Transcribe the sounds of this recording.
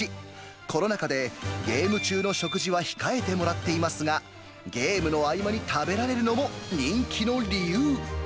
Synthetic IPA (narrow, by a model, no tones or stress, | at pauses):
i | kʰo̞no̞nakad̪e̞ɡe̞ːmɯ̟t͡ɕɨːno̞ɕo̞kɯ̟ʑiβaçi̥kae̞t̪e̞mo̞ɾat̪ːe̞imasɨɡa | ɡʲe̞ːmɯ̟no̞aimaɲ̟it̪abe̞ɾaɾe̞ɾɯ̟no̞mo̞ɲĩŋkʲino̞ɾʲijɯː